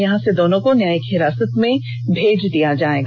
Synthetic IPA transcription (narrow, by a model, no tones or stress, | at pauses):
jɐɦãsed̪oːnõkonjaːjəkɦɪɾaːsət̪mẽ | bʱeːd͡ʒd̪ijad͡ʒaːeːɡ